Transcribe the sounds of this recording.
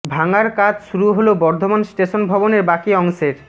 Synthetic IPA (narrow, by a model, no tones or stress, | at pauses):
bʱaŋaɾkad͡ʑʃuɾuɦolobɔɾd̪ʱomansʈeʃonbʱɔboneɾbakiɔŋʃeɾ